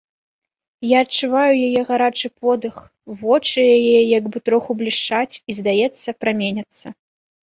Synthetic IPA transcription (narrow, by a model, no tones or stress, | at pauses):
jaːt͡ʂɨvajujajɛɣaɾat͡ʂɨpʰɔd̪ɨx | vɔt͡ʂɨjajɛjaɡbɨt̪ɾɔxublʲiʂt͡ʂat͡sʲizd̪ajɛt̪sːɐpɾamʲenʲɐt̪sːɐ